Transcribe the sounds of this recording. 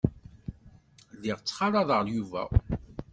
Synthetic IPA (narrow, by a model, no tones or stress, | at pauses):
liʁt͡sːχɑɾˤɑðˤəʁljuvæ̰